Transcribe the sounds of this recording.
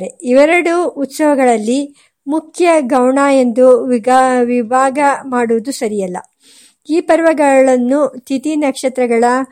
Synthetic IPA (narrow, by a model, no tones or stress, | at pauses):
ɾeiʋɐɾɐɽuːt̪sɐʋɐɡɐɭɐlːi | mukʰjɐɡɐwɳaːe̞nd̪uʋʋibʱaːɡɐmaːɽuʋud̪usɐɾijɐlːɐ̰ | iːpɐɾʋɐɡɐɭɐnːut̪ʰit̪inɐkʂɐt̪ɾɐɡɐɭɐ